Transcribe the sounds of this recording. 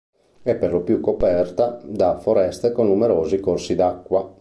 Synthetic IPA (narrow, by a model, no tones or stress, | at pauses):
ɛpːerlopjukːopɛrt̪ad̪afoɾɛst̪ekonːumeɾoːzikorsid̪akːwa